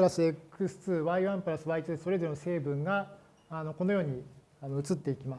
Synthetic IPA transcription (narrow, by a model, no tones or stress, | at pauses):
ɯɾasiekɯ̟sɨ̥t͡sɨːβaiβãmpɯ̟ɾasɨβait̪ɨeso̞ɾe̞d̪e̞nose̞ːbɯ̟̃ŋɡaː | no̞ko̞no̞jo̞ːɲ̟i | ano̞ɯ̟t͡sɨt̪ːe̞ikʲimas